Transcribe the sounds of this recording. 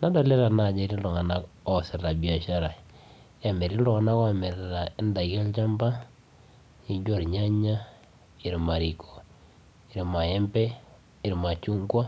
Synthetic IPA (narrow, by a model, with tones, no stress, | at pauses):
na˦da˨le˦ɾa˨na˨d͡ʒe˨ɾi˦lɔ˨ŋa˨na˦kɔ˦˨sɪ˨ɾa˨bi˨a˨ʃa˦ɾa˨ | ja˨me˨ɾi˦lɔ˦ŋa˦na˦ka˦˨mɛ˨ɾɾa˨ɪ˦nda˨i˨kɛ˦lt͡ʃa˦mba˦ | ɲi˨d͡ʒo˦˨ɾɲa˦ɲa˦ | i˨ɾma˨ɾi˨kʰɔ˨ | i˨ɾi˨ma˨jɛ˦mbɛ˦ | ɪ˨ɾma˨t͡ʃu˦ŋɡwa˦